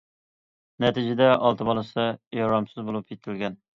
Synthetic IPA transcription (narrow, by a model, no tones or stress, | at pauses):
nɛt̪ʰɪd͡ʒɪd̪ɛʔɑlˠt̪ʰɨbɑlˠɨsɨjɑɾɑmsɨzbolˠupʰjet̪ʰɪlɡʲɛn